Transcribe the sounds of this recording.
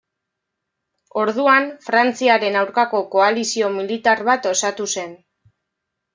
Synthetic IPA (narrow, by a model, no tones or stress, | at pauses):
o̞ɾðuanfɾant͡siaɾe̞nawɾkako̞ko̞alisio̞milit̪aɾβat̪o̞sat̪use̞n